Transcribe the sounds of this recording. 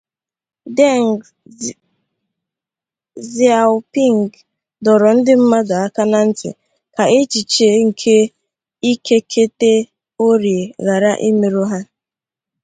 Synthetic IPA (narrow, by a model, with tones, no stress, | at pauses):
de˦ŋ | zi˨a˨pi˦˨ŋ˨ɡ | dɔ˨ɾɔ˨n̩˦dɪ˦m̩˦ma˦dɔ˨a˦ka˦na˦n̩˦tɪ̰˨ | ka˨e˦t͡ʃi˨t͡ʃe˨ŋ̩˨kʰe˦ | i˦ke˦kʰe˦te˦ | o˦ɾje˨ɣa˨ɾa˦ʔi˦me˨ɾo˦ɦa˦